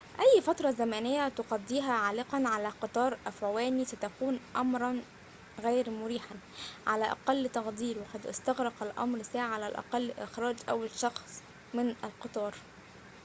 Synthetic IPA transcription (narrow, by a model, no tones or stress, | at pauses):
ʔæjːfɑt̪ɾˤɑzæmæːnɪjːæt̪ʊqɑd̪ˤːiːɦæʕaːlɪqɑnʕalæːqɨt̪ˤɑːɾˤʔæfʕwæːnisæt̪ækuːnʔɑmɾˤɑn | ɣæːɾmʊɾiːħan | ʕa̰læʔɑ̰qɑlːt̪ɑɣd̪ˤiːɾwɑqɑd̪ʔɪ̰st̪ɑɣɾɑqælʔɑ̰mɾsaːʕalælʔɑ̰qɑlːʔɪ̰xɾˤɑːd͡ʒʔæwːalʃɑxsˤ | mɪnæ̰lqɨt̪ˤɑːɾˤ